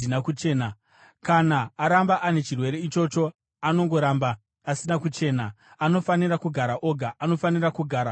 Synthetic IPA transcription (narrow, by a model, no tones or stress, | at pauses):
inakut͡ʃeːna | kanaaɾambaʔane̞t͡ʃirwe̞ɾe̞it͡ʃo̞t͡ʃo̞ | ano̞ŋɡo̞ɾambaː | sinakut͡ʃe̞ːna | ano̞fanirakuɡʱaɾaʔo̞ɡʱaʔano̞fanirakuɡʱaɾa